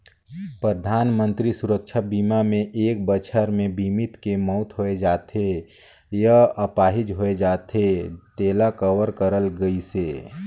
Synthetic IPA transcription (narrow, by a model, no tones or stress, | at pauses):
pɾəd̪ʱaːnmə̃nt̪ɾisʊɾəkʃʰabiːmamẽʔeːk̚bət͡ʃʰəɾmẽbʱimɪt̪kemɔːt̪ɦoed͡ʒaːt̪e | jəəpaːɦɪd͡ʒɦoed͡ʒaːt̪ɦet̪eːlakəwəɾkəɾəlɡəiseː